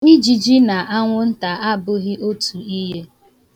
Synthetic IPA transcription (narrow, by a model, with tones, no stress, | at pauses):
i˦d͡ʒi˨d͡ʒi˦na˨ʔa˦ŋʷʊ˦n̩˦ta˨ʔa˦bʊ˦ɣɪ˦ʔo˦tu˨i˦ɦe˦